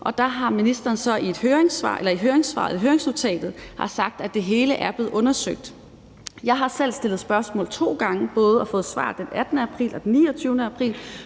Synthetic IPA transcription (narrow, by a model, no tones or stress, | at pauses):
ʔɒ̽d̥ɑɦɑ̈minisd̥ɐːnsɒ̽ie̝d̥høːɐeŋsʋɑ̰̈ːʔelɐiɦøːɐeŋsʋɑ̰̈ðɦøːɐeŋsno̝t͡sʰɛ̰ːd̥ð̩ˠhɑ̈sɑ̈ɡ̥̚d̥æd̥e̝ɦe̝ːləʔæɐb̥le̝ːð̩ˠɔ̽nɐsøɡ̥̚d̥ | jɑ̈ɪɦɑ̈sel̰sd̥e̝lð̩ˠsb̥ɶɐsmɔ̰ːlt͡sʰo̝̰ːɡ̥ɑ̈ŋəb̥ɔ̽ːð̞ˠɒfɔ̽ːð̞̩ˠsʋɑ̰̈ːd̥enæd̥nəæpʰʁḭːlɒd̥enːḭːɒt͡sʰyʊnəæpʰʁḭːl